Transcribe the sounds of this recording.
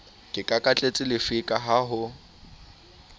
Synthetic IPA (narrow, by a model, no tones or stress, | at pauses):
kʼɪkʼakʼat͡ɬʼet͡sʼɪlɪfɪkʼaɦaɦʊ